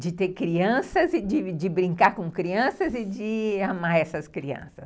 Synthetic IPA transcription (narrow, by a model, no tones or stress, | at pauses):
d͡ʒɪt̪eɾkɾiɐ̃sɐzɪd͡ʒɪd͡ʒɪbɾĩŋkaɾkõkɾiɐ̃sɐzɪd͡ʒɪamaɾɛsɐskɾiɐ̰̃sɐs